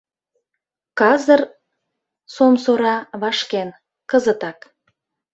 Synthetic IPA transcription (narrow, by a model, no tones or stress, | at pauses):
kɑzər | somsoɾɑβɑʃken | kəzət̪ɑk